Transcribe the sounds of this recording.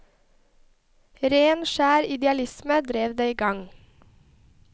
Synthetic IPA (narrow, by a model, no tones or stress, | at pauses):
ɾeːnʃæːɾɪd̪ɛɑlɪsməd̪ɾeːʋd̪eiːɡɑŋ